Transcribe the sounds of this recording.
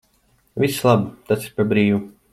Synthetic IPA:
vʲislˠabt̪at̪sipabɾiːvu

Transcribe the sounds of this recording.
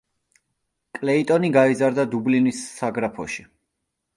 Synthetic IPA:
kʼlɛit̪ʼɔniɡaizaɾd̪ad̪ublinisːaɡɾapʰɔʃi̥

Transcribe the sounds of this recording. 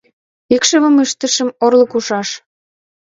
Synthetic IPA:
ikʃəβə̆məʃt̪ə̆ʃə̆morlɤ̆kuʃɑʃ

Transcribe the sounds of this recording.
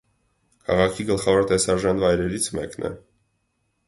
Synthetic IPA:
kʰɑ̰ʁɑkʰiɡəlχɑvɔɾt̪ɛsɑʒɑnvɑjɾɛɾit͡sʰmɛknɛ̰

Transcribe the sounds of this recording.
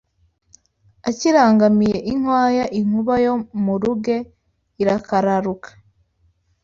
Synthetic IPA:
aciɾaːŋɡamije̞ʔiŋwaːjaʔiŋ̥uβajo̞muɾuɡe̞ | iɾakʰaɾaɾukḁ

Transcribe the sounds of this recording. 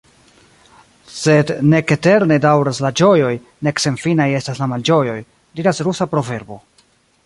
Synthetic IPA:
se̞dne̞kete̞ɾne̞dawɾaslad͡ʒo̞jo̞j | ne̞kse̞nfinaje̞staslamald͡ʒo̞jo̞j | diɾasɾusapɾo̞ve̞ɾbo̞

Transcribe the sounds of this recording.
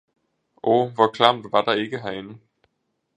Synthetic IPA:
ʔɔʋɒkʰlɑmd̥ʋɑ̈d̥ɑ̈e̝ɡ̥əɦæen̩

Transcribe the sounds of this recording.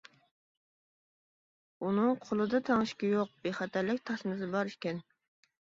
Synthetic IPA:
unɨŋqʰolˠɨd̪ɑt̪ʰɑŋɨʃkʲijoq̚b̥eχɑt̪ʰæɾlɪkʲt̪ʰɑsmɨzɨbɑɾiʃkʲɛn

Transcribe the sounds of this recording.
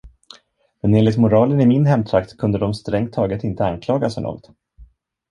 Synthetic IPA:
mɛneːnlɪt̪mʊɾɑːlənɪmɪnɦɛmt̪ʰɾakt̪kʰɵnd̪əd̪ɔmst̪ɾɛŋt̪ʰːɑːɡət̪ɪnt̪əankʰlɑːɡasœɳnɔ̰ːɡɔt̪

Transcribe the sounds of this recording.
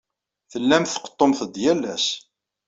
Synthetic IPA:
θəlːæmθə̥qə̥t̪ˤːomθəd̪jælːæs

